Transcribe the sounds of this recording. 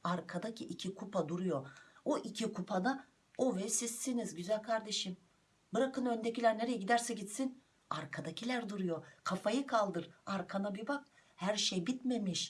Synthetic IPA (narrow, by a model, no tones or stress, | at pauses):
aɾkʰad̪acʰiʔicʰikʰupʰad̪uɾujo̞oʔicʰikʰupʰana | ovɛsisːinizɟyzælʲkʰaɾd̪e̞ʃim | bɯɾakɯnø̞nd̪ecʰilʲæɾne̞ɾejɛɟid̪æɾsɛɟit̪sin | aɾkʰad̪acʰilʲæɾd̪uɾujo̞kʰafajɯkʰalˠd̪ɯɾaɾkʰanabibak̚ | hæɾʃejbit̪me̞miʃ